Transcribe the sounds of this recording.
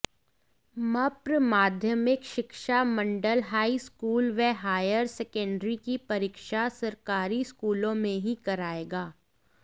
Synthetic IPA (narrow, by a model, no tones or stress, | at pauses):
mɐpɾmaːd̪ʱjəmɪkʃɪkʃamɐ̃ɳɖəlɦaːiskuːlʋɛɦaːjəɾsɛkə̃ɳɖɾikipɐɾiːkʃasɐɾkaːɾiskuːlõmẽɦĩkɐɾaːeːɡaː